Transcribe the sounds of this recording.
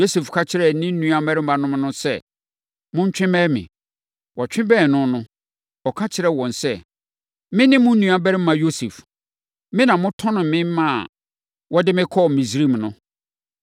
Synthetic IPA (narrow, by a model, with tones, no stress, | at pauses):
jo˦se˨fkʰa˦t͡ɕʰɪ˦ɾɛ˨˦nɪ̃˦nũ˨˦ã˨bɛ˦ɾɪ˦m̩˦ã˨nʊ̃˦m˦nʊ̃˦sɛ˦ | mʊ̃˦ɲ˦t͡ɕᶣɪ̃˦mɛ˦mɪ̰̃˨ | wɔ˨t͡ɕᶣɪ̃˦bɛ˦˨nʊ̃˦nʊ̃˦ | ɔ˨kʰa˦t͡ɕʰɪ˦ɾɛ˦wɔ̃˨nsɛ˦ | mɪ̃˦nɪ̃˦mːʊ̃˦n̩˦nũ˦a˦bɛ˦ɾɪ̃˦m˦mːã˨jo˦se˨f | mɪ̃˦nã˨mʊ̃˦tʰɔ̃˦nʊ̃˨m˨mɪ̃˦mã˦˨ | wɔ˦dɪ˦mɪ̃˦kʰɔ˦˨mĩ˨s̬ɾi˦m˨nʊ̃˦